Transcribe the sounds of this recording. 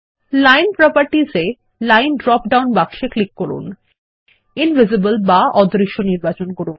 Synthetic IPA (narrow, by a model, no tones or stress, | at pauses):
lajnpɾɔpaɾʈize | lajnɖɾɔpɖawnbakʃeklikːɔɾṵn | invizibəlbaɔd̪ɾiʃːoniɾbat͡ɕonkɔɾun